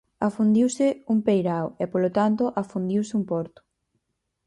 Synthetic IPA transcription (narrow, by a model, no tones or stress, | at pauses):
afund̪iwsɪuŋpejɾawɛpolot̪ant̪ʊʔafund̪iwsɪumpɔɾt̪ʊ̥